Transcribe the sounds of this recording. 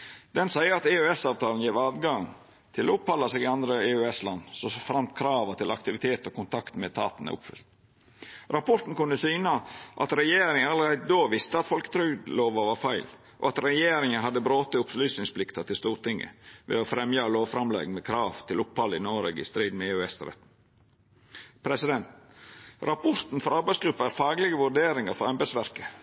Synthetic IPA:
d̪ɛnsæɪəɾɑt̪eʉɛsɑːʋt̪ʰɑːln̩jeːʋɑːd̪ɡɑŋ | t̪ʰɪloːʊphɑlːɑsɛːɡɪɑnd̪ɾəeːʉɛslɑnːsɔfɾɑmt̪kʰɾɑːʋət̪ɪlɑ̰kt̪ɪʋɪt̪ʰeːt̪oːkʊnt̪ʰɑkt̪mɛt̪ʰɑ̰ːt̪nɛ̰ʊ̰pfʏ̰lt̪ | ɾɑpʰɔʈ̪n̩kʉnːəsyːnɑʔɑt̪ɾɛjeːɾɪŋənɑləɾæɪd̪d̪oːʋɪst̪əɑt̪fɔlkə̥t̪ʰɾʏɡ̪loːʋəʋɑɾfæɪl | ʔo̰ːɑt̪ɾɛjeːɾɪŋənɦɑd̪ːəbɾoːt̪əʊpslyːsnɪŋspʰlɪkt̪ɑt̪ɪlst̪uːɾt̪ɪŋːə̰ʋḛːoːfɾɛmjɑloːʋfɾɑmlɛ̰ːɡmɛːkʰɾɑːʋt̪ʰɪlʊphɑlːɪnoːɾeɡɪ̰st̪ɾiːd̪meøːɛsɾɛ̰t̪n̩ | pʰɾɛsɪd̪ɛnt̪ | ɾɑpʰɔɾt̪n̩fɔɾɑɾbæɪsɡɾʉpːəæːɾfɑːɡlɪɡəʋʉɖeːɾɪŋɑɾfɔɛmbɛsʋæɾkə

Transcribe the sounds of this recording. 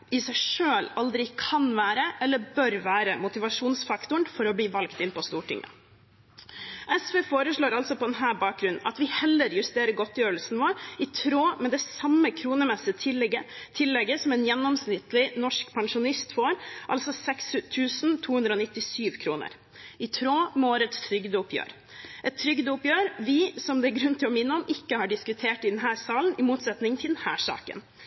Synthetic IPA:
ɪsæɪʂøːlɑld̪ɾɪkʰɑnʋæːɾəʔɛlːəbœɾʋæːɾəmʊt̪ɪʋɑʂuːnsfɑkt̪ʊɳfɔɾɔbliːʋɑlkt̪ɪnːpɔst̪uːʈɪ̰ŋːə̰ | ʔɛsfeːfoːɾəʂɭoːɾɑlsɔpʰɔd̪ɛnɦæːbɑːk̚ɡɾʉnn̩ʔɑ̰t̪ʋɪhɛlːəɾjʉst̪eːɾəɡɔt̪jøːɾəlsn̩ʋoːɾɪt̪ʰɾoːmɛd̪ɛsɑmːəkʰɾuːnəmɛsət̪ʰɪət̪ʰɪlːɛɡːəsɔmɛnjɛnːɔmsnɪt̪lɪnɔʂkpʰɑŋʂʊnɪst̪foːɾʔɑ̰lsɔsɛksʉt̪ʰʉːsn̩t̪ʰuːhʉnd̪ɾəɔːnɪt̪ːɪsyːʋkʰɾuːnə̰ɾ | ɪt̪ʰɾoːmɛoːɾət̪st̪ʰɾʏɡd̪əʊpʰjø̰ːɾ | ʔɛt̪ʰːɾʏɡd̪əʊpjøːɾʋɪsɔmd̪ɛæɾɡɾʉnt̪ʰɪlɔmɪnːəɔmʔɪkːəhɑɖɪskʉt̪ʰeːʈɪd̪ɛnɦæːɾsɑːlnɪmuːt̪sɛt̪nɪŋnt̪ʰɪld̪ɛnhæːʂɑ̰ːkə̰n

